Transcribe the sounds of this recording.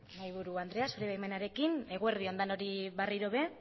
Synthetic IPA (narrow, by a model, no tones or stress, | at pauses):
majβuɾuand̪ɾe̞aso̞ɾeβajmenaɾe̞kine̞ɣ̞ue̞ɾðio̞nd̪ano̞ɾiβariɾoβe̞